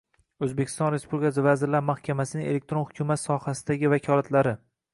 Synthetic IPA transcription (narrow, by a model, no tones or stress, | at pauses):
ɵzbekʰʲɪ̥st̪ɒnɾe̞spublʲikʲʰasɪvazɪɾlaɾmahkʲʰamasɪnɪŋe̞lek̚ʲt̪ɾo̞nhʊkʰʲʊmat̪sɒhasɪd̪aɡʲɪvakʲʰɒlˠat̪ʰlaɾɪ